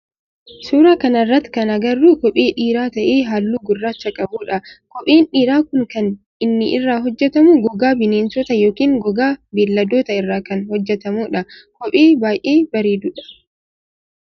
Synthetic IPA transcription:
suːɾɐkɐnɪrːɐt̪ːɪ̥kɐnɐɡɐrːuːkɔpʼeːᶑiːɾaːt̪ɐʔeːɦaːlːuːɡʊrːaːt͡ʃːɐkʼɐbuːᶑɐkɔpʼeːnᶑiːɾaːkʊŋkɐn | ɪnːɪʔɪrːaːɦɔd͡ʒːɛt̪ɐmuɡɔɡaːbɪneːnsɔt̪ɐjo̞ːkiːŋɡɔɡaːbeːlːɐd̪oːt̪ɐɪrːaːkɐnhɔd͡ʒːɛt̪ɐmuːᶑɐkɔpʼeːbaːjʔeːbɐɾeːd̪ʊᶑɐ̥

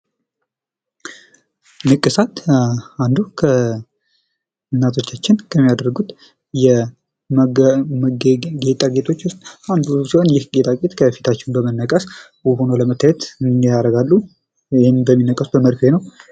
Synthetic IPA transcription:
nɨkʼːɨsat̪and̪ukʰə | ɨnːat̪ʰo̞t͡ʃːat͡ʃːɪnkʰəmːijad̪əɾɡut̪ | jɛ | mməɡɡe̞t̪ʼaɡe̞t̪ʰo̞t͡ʃːwʊst̪ʼand̪usiho̞njɪhɡe̞t̪ʼaɡet̪kʰəfi̥t̪ʰat͡ʃːɪnbəmənːəkʼəs | wuhonoləmət̪ʰːajɛt̪jaɾəɡalːu | hɪnbəmːinːəkʼəsuəməɾfenəw

